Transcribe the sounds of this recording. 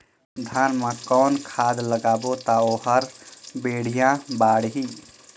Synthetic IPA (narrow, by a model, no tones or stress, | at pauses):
d̪ʱaːnmãkɔːnkʰaːd̪ləɡaːbot̪aoːɦəɾbeːɽ̤ijãbaːɽɦiː